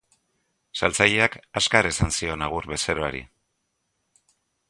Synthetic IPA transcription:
salt͡saʎeakaskaɾesansio̞naɣ̞uɾβe̞seɾo̞aɾḭ

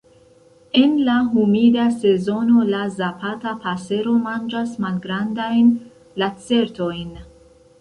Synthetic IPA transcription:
e̞nlaɦumidase̞zo̞no̞lazapatapase̞ɾo̞mand͡ʒasmalɡɾandajn | lat͡se̞ɾto̞jn

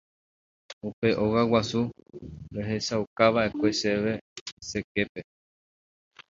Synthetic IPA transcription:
upe̞ʔo̞ɣawasuɾeɦe̞saukaʋaʔe̞kʷe̞seʋe̞se̞ke̞pe̞

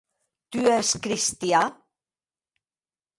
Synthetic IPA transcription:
t̪yɛskɾist̪ja

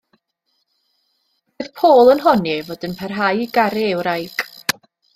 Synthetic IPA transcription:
b̥eðpʰoːlˠənɦɔnivoːdənpʰɛrɦajɡaɾɛːwɾajkʼ

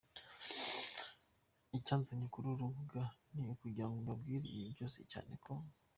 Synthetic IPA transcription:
icaːnzeɲikuɾuɾuɡaniukuɟiɾaŋɡoumbabɡiːɾḭjebɟo̞ːsḭca̰ːne̞̰kʰo

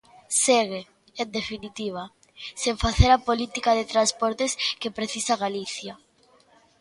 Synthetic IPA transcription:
seɣe | end̪efinit̪iβ̞a | seɱfaθeɾapolit̪ikaðet̪ɾaspoɾt̪eskepɾeθisaɣaliθja

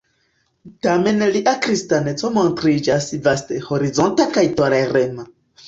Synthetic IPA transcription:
tamenliʔakɾistanet͡somont̪ɾid͡ʒasivastehoɾizontakajtoɾaɾema

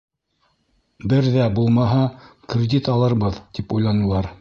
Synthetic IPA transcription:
bɘɾðæbulˠmɑɦɑkrʲɪd̪ʲit̪ɑlˠɤ̆ɾβɤðt̪ipujlˠɑnɤ̆lˠɑɾ

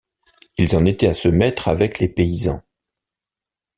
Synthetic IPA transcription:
ilzɑ̃net̪ɛasəmɛt̪χavɛklepeizɑ̰̃

